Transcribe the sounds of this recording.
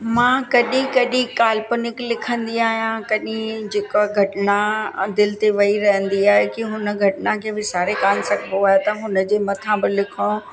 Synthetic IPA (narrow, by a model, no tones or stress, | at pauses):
mãːkɐɗĩkɐɗĩkaːlpʊnɪklɪkʰə̃nd̪iaːɦijãkɐɗĩd͡ʑeːkoɡʱɐʈɪnad̪ɪlɪt̪eʋɐiɾɐɦə̃nd̪iaːɦekiɦʊnəɡʱɐʈɪnakʰeːbɪsaːɾekaːnsɐkʰbʱoaːɦjet̪ɐɦʊnə̆d͡ʑeːmɐt̪ʰãbɪlɪkʰõ